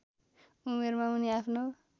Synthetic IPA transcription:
umeɾmãuniapʰno

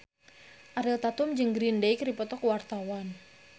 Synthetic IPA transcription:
ʔaɾɪlt̪at̪ʊmd͡ʒɨŋɡɾindejkripɔt̪ɔkwart̪awan

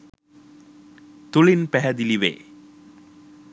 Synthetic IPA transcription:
t̪ulinpæɦɛd̪iliʋḛː

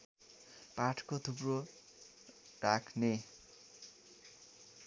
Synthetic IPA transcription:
paʈʰkot̪ʰupro | rakʰne

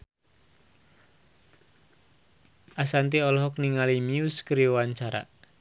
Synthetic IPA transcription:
ʔasant̪iɔlɔɦɔkniŋalimiuskəɾijowaɲt͡ʃaɾa̰

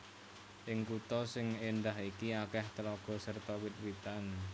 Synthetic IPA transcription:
ʔɪŋkut̪ɔsɪŋenɖaɦikiakɛht̪əlɔɡ̥ɔ̤sərt̪ɔwɪt̪̚wit̪an

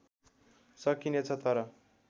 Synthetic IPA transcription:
sʌkinet͡sʰʌt̪ʌɾʌ

